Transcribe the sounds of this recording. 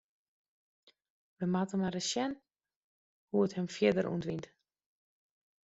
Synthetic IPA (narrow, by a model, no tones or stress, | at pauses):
ʋəmatəmadəsjɛn | huəthəmfjɪdəɾʔṵəntʋint